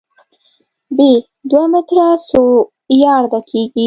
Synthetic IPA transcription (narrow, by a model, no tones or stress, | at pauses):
be | d̪wamɪt̪ɾaso | jɑɾd̪akʰeɡi